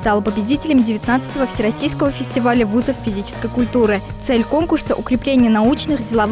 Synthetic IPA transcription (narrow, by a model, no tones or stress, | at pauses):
st̪alˠpəbʲɪdʲitʲɪlʲəmdʲɪvʲɪt̪nat̪sɨt̪əvəfsʲɪɾɐsʲijskəvəfʲɪsʲtʲɪvalʲəvuzəffʲɪzʲit͡ɕɪ̥skəjkʊlʲt̪uɾɨt̪sɛlʲko̞nkʊrsəʔʊkɾʲɪplʲenʲɪjənɐut͡ɕnɨxdʲɪlˠɐv